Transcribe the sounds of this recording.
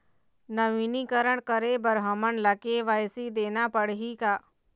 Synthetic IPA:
nəʋiːnikəɾəɳ̃kəɾebəɾɦəmənləkeʋaːjsid̪eːnapəɽɦikaː

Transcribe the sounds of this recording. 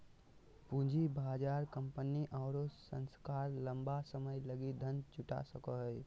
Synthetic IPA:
pũd͡ʒʱibaːd͡ʒaːɾkə̃mpəniʔɔːɾosə̰̃nskaːɾlə̃mbasəməjləɡid̪ʱənd͡ʒʊʈa̰səkəɦj

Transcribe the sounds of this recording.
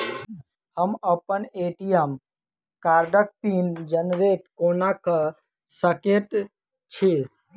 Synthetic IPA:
həməpəneːʈijəm | kaːɾɖək̚t̪iːnd͡ʒənɾeːʈkoːnakə | səkeʈ | t͡ʃʰi

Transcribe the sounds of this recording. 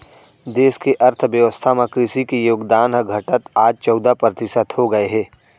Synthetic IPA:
d̪eːskeʔɐɾt̪ʰʋjəʋəst̪ʰamẽkɾɪsikijoːɡd̪aːnɦəɡʱəʈət̪aːd͡ʒt͡ʃɔːd̪apɾət̪ɪsət̪hoɡɐeɦɛː

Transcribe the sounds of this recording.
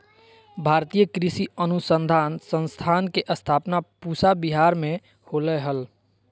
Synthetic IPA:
bʱaɾt̪ijəkɾisiənusənd̪ʱansə̃nst̪ʰankeʔəst̪ʰapnapusabiɦaɾme | holɛɦəl

